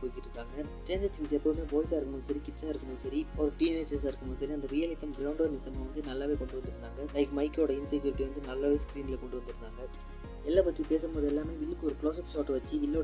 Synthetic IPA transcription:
poːjkɪʈːɾɯnaːŋɡɐsʈeːnd͡ʒɐt̪ːɪŋsɛpːɐʋɯmeːpoːɪsaːɪɾɯkːɐmɐŋɐsɐɾikɪʈsaːɪɾɯkːɐmɐ̃ŋɐsɐɾiɔɾɐʈiːɛneːd͡ʒɐsaːɪɾɯkːɐmŋɐsɐɾiɐnd̪ɐɾijɐlɪt̪ːɐmɡɾɐʋʊɳɖɐːɾnɪsɐmaːʋɐnd̪ɯnɐlːaːʋeːkɔɳɖɯʋɐnd̪ɪɾɯnd̪aːŋɡɐlɐɪkmɐɪkːoːɽɐɪnsɐɡɐɾʈːʋɐnd̪ɯnɐlːaːʋeːskɾiːnɪlɐkɔɳɖɯʋɐnd̪ɯɾɯnd̪aːŋɡɐ | ɛlːaːpɐt̪ːipeːsɐmboːðɯɛlːaːmeːʋɪlːɯkːɯɔɾɯkɭoːsɐpsoːʈːʋɐt͡ʃːɯʋɪlːoː

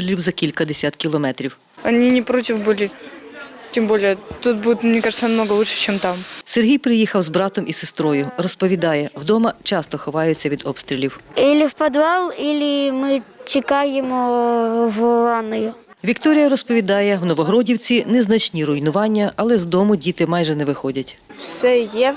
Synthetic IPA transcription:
ɾʲlʲiwzɐkʲilʲkɐd̪esʲat̪kʲilˠɔmɛt̪ɾʲiw | ɐnʲinʲɪpɾotʲɪfbɨlʲɪ | tʲɪmbolʲɪjɛt̪ut̪̚budʲɪt̪mnʲɛkaʐɨt̪sənɐmnoɡɐlˠuʂɨ̥t͡ɕɛmt̪amserɦʲijpɾɪjixɐwzbɾɑt̪ɔmʔisest̪ɾɔjʊrɔspɔʋʲid̪ɑjɛwd̪ɔmɐt͡ʃɑst̪ɔxɔʋɑjʊt͡sʲːɐʋʲid̪ɔpst̪ɾʲɪlʲiwilʲɪwpɐd̪ʋɑlˠilʲɪmɪt͡ʃɪkɑjemɔ | ʋɔɑnɔjʊ | ʋʲikt̪ɔɾʲijɐɾɔspɔʋʲid̪ɑjɛwnɔʋɔɦɾɔdʲiwt͡sʲinɛznɐt͡ʃnʲiɾʊjnʊʋɑnʲːɐɐlˠɛzd̪ɔmʊdʲit̪ɪmɑjʒɛnɛʋɪxɔdʲɐtʲfsʲɛjɛ

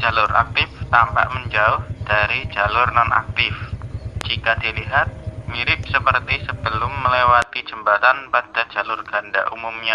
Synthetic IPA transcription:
d͡ʒ̥a̤lʊrʔa̰k̚t̪ɪft̪ampa̰ʔməɲd͡ʒaʊhd̥aɾid͡ʒalʊrnana̰k̚t̪ɪfd͡ʒ̥ikad̥i̤liɦat̪̚miɾɪp̚səpərt̪isəb̥əlʊmːəlewat̪i̥d͡ʒ̥əmbat̪anpad̥ḁd͡ʒ̥a̤lʊrɡ̥anda̰ʔṵmumɲa

